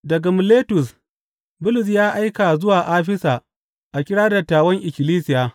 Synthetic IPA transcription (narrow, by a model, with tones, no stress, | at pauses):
dɐ˨ɡa˨mʊ˨leː˦tʊ˨s | bʊ˦lʊ˨s̬jaː˦ʔa˦jka˨zʊ˦waː˨ʔaː˦ɸɪ˦saː˨ | ʔa˨kʲɪ˦ɽaː˦da˨taː˨wɐ˦ŋʔɪ˨kʲɪ˨liː˦sɪ˦˨jaː˨